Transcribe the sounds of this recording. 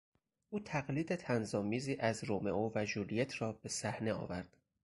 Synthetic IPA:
ʔuːt̪ʰæɣliːd̪e̞t̪ʰænzɒːmiːziːʔæzɾome̞ʔoːvæd͡ʒulijet̪ʰɾɒːbe̞sæhne̞ɒ̰ːvæɾd̪̥

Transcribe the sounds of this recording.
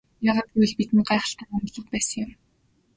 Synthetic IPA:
jaːʁaːt̪ujɮpit̪ɘ̆nɢaːχə̆ɬt̪æːamɮə̆t̪̚pæːsə̆ŋjʊm

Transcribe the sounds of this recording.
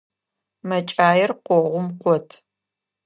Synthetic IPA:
mɐt͡ʃʼaːjɪrqʷɔʁʷʊmqʷɔtʰ

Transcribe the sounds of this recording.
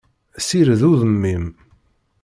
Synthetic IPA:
siɾðuðəmːim

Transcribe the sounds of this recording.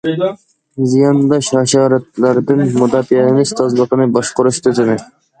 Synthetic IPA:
zijɑnd̪ɑʃɑʃɑːɾɛt̪̚læɾɪd̪ɪnmʊd̪ɑːfiɛmɪzt̪ʰɑzlˠəqənɨbɑʃqʊɾuʃt̪ʰyzɪnɪ

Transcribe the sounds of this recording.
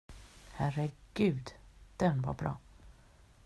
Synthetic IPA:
hæɾəɡ̥ʉ̟ːd̪d̪̥ɛnva̰ɾbɾɑ̰ː

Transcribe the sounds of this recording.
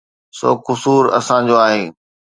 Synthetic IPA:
so̰ːkʊsuːɾɐ̰sãd͡ʑoːaːɦeː

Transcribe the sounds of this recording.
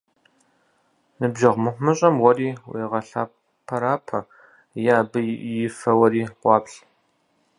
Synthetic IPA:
nɨbʒɐʁmɨχʷmɨɕʼɐmwɔriːwḛːʁɐɬaː | pʰɐɾaːpʰɐ | jaːbɨjɪfɐwɐɾiːqʷɑːpɬ

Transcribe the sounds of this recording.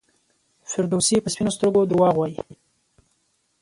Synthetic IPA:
fɪɾd̪osipəspinost̪əɾɡod̪ɾwɑɣwɑji

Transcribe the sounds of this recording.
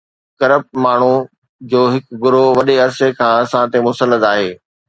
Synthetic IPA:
kɐɾəp̚maːɳ̤u | d͡ʑoːɦɪkɡʊɾoʋɐɗeɐɾsekʰãːɐsãt̪emʊsəlːəd̪aːɦeː

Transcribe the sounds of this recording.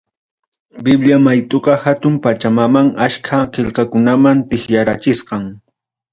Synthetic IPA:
bɪbljamajt̪ʼoqɑhat̪ʊmpat͡ʃamamaŋaʃkʰaqeʎqɑkʊnamant̪ɪxjaɾat͡ʃɪsqɑŋ

